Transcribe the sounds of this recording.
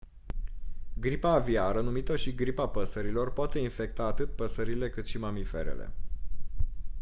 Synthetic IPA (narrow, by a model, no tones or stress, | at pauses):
ɡɾipaːviaɾənumit̪əʃiɡɾipapəsəɾilo̞rpoat̪e̞infe̞k̚t̪aːt̪ɨt̪̚pəsəɾile̞kɨt̪ʃimamife̞̰ɾḛlḛ